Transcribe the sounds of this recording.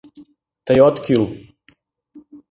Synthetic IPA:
t̪ajɔt̪kil

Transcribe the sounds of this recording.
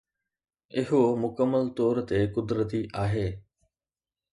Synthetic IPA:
ɪɦomʊkəmːəlt̪ɔːɾt̪ekʊd̪ɾət̪iʔaːɦeː

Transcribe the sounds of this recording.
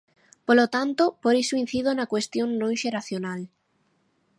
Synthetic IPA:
polot̪ant̪opoɾisoin̟θið̞onakwest̪joŋnõŋʃeɾaθjonal

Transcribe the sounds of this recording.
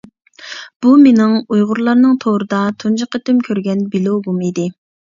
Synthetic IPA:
b̥umenɪŋujʁʊɾlˠɑɾnɨŋt̪ʰoɾɨd̪ɑt̪ʰund͡ʒəqet̪ymkʲʰøɾɡʲɛnbilˠoɡumid̪ɪ

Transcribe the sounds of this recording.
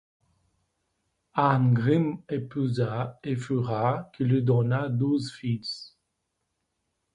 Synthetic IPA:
anɡʁimepuzaefyʁakilid̪ɔnad̪uzfis

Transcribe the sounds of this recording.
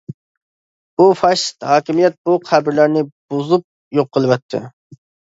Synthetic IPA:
b̥ufɑʃt̪hɑːkʲimijɛt̪̚buqʰæbɪɾlæɾnɪb̥ozup̚ | joqːəlˠɨwɑt̪ʰːɪ̰

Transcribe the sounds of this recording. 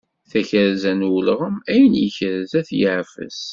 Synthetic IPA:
θæçəɾzænwlʁəmæjənjəçəɾzæθjəʕfə̰z

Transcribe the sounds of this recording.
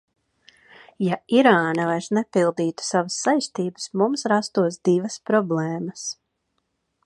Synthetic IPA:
jaiɾaːnavajɾsnɛpilˠd̪iːt̪u̥savəsːajst̪iːbə̥smumsɾast̪uɔs̬d̪ivəspɾɔblˠɛːməs

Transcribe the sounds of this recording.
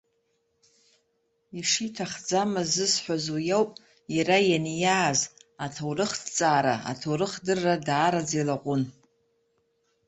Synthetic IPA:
iʂitʰaχd͡zamazɨsħʷazojowpʼ | jaɾajanjaːzatʰawrɨχtʰt͡sʼaːɾaa̰tʰowɾɨχdɨrːadaːɾad͡zejlaqʷʼʊn

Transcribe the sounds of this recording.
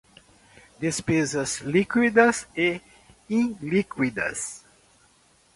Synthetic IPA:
d̪espezɐzlikwid̪ɐse | ĩlikwid̪ɐ̰s

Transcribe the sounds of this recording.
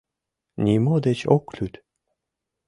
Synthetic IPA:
nʲimod̪et͡ɕoklyt̪

